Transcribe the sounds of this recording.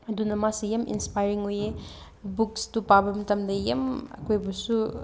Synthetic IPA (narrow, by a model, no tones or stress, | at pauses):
ɐdunɐmasijɐmʔḭnspajɾiŋoje | bukstupabɐmɐtɐmdɐjɐ̰mɐ̰kʰojbɐsu